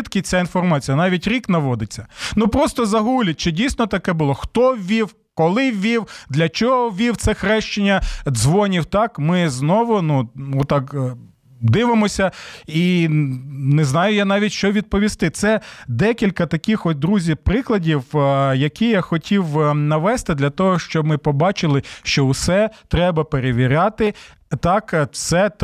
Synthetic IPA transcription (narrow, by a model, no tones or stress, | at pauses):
t̪kʲɪt͡sʲainfɔrmɑt͡sʲijɐnɑʋʲitʲɾʲiknɐʋɔd̪ɪt͡sʲːɐnupɾɔst̪ɔzɐɦulʲɐt̚ʲt͡ʃɪdʲijsʲnɔt̪ɐkɛbʊlˠɔxt̪ɔʋʲiw | kɔlˠɪʋʲiwd̪lʲɐt͡ʃɔɦɔʋʲiwt̪sɛxɾɛʃt͡ʃɪnʲːɐzʋɔnʲiwt̪ɑkmɪznɔʋʊnuɔt̪ːɑk | d̪ɪʋɪmɔsʲɐi | neznɑjʊjanɑʋʲitʲʃt͡ʃɔʋʲid̪̚pɔʋʲist̪ɪt̪sɛd̪ɛkʲilʲkɐt̪ɐkʲixɔt̚ʲd̪ɾuzʲipɾɪklˠɐdʲiwjɐkʲijaxɔtʲiwnɐʋɛst̪ɪd̪lʲɐt̪ɔɦɔʃt͡ʃɔb̚mɪpɔbɑt͡ʃɪlˠɪʃt͡ʃɔʊsɛt̪ɾɛbɐpeɾeʋʲiɾʲɑt̪ɪ | t̪ɑkt̪sɛt̪